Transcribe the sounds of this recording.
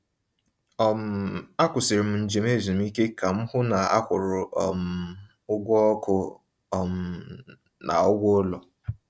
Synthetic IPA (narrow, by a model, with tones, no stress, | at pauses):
ɔ˦˨m̩˨a˦kʷʊ˨sɪ˨ɾɪ˨m̩˨n̩˨d͡ʒe˨m˦e˦˨zi˨m̩˦i˦ke˦ka˨m̩˦hʊ˦na˨a̰˦kʷʊ˨ɾʊ˨ɔ̰˨m̩˨ | ʊ˦ɡʷɔ˦kʰʊ˦˨ | m̩˨ | na̰˨ɔ˦ɡʷo˦lɔ˨